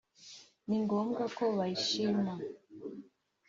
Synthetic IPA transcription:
niŋɡoːmɡakoβajiʃima

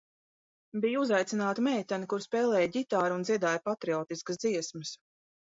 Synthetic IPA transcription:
bijuzajt̪inaːt̪imɛjt̪anikuɾspɛːlˠɛːjɟit̪aːɾunziɛd̪aːjpat̪ɾiɔːt̪iskəsd̪ziɛsməs

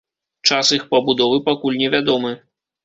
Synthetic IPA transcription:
t͡ʂasixpɐbud̪ɔvɨpakulʲnʲɛvʲad̪ɔmɨ

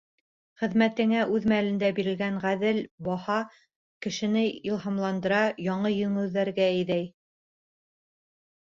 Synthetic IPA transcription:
χɘ̆ðmæt̪ɘ̆ŋæʔʉðmælɘ̆nd̪æbiɾɘ̆lɡæɴʁæðɘlbɑhɑ | kɘ̆ʃɘ̆nɘilˠɦɑmlˠɑnd̪ɤ̆ɾɑjɑɴɤjɵ̆ŋɘ̆wðæɾɡæɘ̆jðæj

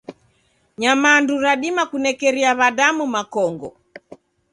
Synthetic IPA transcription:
ɲamaːnduɾaɗimakunɛkɛɾiaβaɗamumakɔŋɡɔ̰

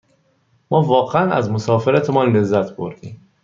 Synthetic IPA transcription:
mɒːvɒːɣeænæ̰zmosɒːfeɾæt̪ʰemɒːnle̞zːæt̪ʰb̥oɾd̪̥iːm

